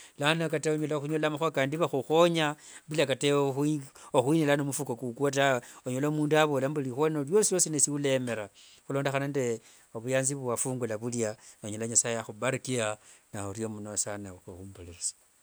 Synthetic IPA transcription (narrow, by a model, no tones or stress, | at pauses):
lanokateoɲolaxuɲolamaxoakaːndiβaxuxo̞ɲabilakatexoxwinilanomufukokukat̬aoɲolomuːndaβolambulixonoljosijo̞sinesiule̞me̞ɾa | xulo̞ːndexanande | oβujaːnziββwafuːŋɡulaβuljanoɲolaɲasajejaxubaɾikianaoɾjomunosanaxuxuːmbolesḁ